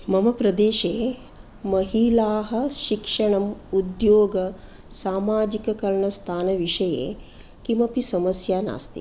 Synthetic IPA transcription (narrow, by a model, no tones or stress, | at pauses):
mɐmɐpɾɐd̪eːʃeː | mɐɦilaːɦɐ̆ʃikʂɐɳɐmud̪joːɡɐ | saːmaːd͡ʒikɐkɐɾɳɐst̪ʰaːnɐʋiʂɐjḛː | kimɐpisɐmɐsjaːna̰ːst̪ḭ